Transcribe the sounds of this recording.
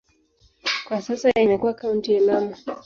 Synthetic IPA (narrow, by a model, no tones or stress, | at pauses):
kwasasaimɛkuwakauntialama